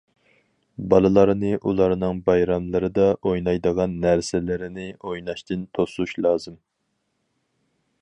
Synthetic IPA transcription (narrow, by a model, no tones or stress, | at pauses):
bɑlˠɨlˠɑɾnɨʔulˠɑɾnɨŋbɑjɾɑmlˠɨɾɨd̪ɑʔojnɑjd̪əʁɑnːæɾsɪlɪɾɪnɪojnɑʃt̪ʰɨnt̪ʰosuʃlˠɑːzɨm